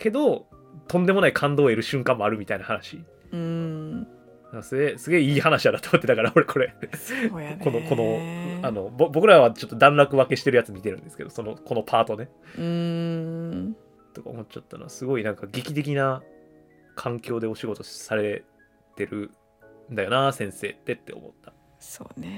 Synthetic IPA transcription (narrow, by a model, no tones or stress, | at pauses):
kʰe̞d̪o̞ | t̪õ̞nd̪e̞mo̞naikʰãnd̪o̞ːeɾɯ̟ɕɨ̃ŋkãmːoaɾɯ̟mʲit̪ainahanaɕi | naŋkasɨɡe̞sɨɡe̞iːhanaɕiaɾat̪omot̪ːed̪akaɾao̞ɾe̞kʰo̞ɾe̞ | ko̞nokʰo̞no̞ano̞bobo̞kɯ̟ɾaβat͡ɕo̞t̪ːo̞d̪ãnɾakɯ̟βake̞ɕi̥t̪e̞ɾɯ̟jat͡sɨmʲit̪e̞ɾɯ̟̃nd̪e̞sɨ̥ked̪o̞so̞noko̞no̞pʰaːt̪o̞ne̞ | t̪o̞ka̰omo̞t͡ɕːat̪ːa̰noβasɨɡo̞inãŋkaɡʲikʲit̪e̞k̬ʲina | kʰãŋkʲo̞ːd̪e̞o̞ɕiɡo̞t̪o̞saɾe̞ | t̪e̞ɾɯ̟ | nd̪ajo̞nasẽ̞ɰ̃se̞ːt̪ːe̞t̪ːe̞o̞̰mo̞̰t̪ːḁ | soːn